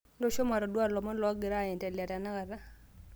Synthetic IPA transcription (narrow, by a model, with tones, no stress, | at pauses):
ndo˦ʃo˦ma˨ɾɔ˨dwa˦˨lɔ˨mɔ˦lɔ˨˦ɡɪ˨ɾa˦˨ɛ˨ntɛ˨lja˨ta˨na˦ka˨ða˦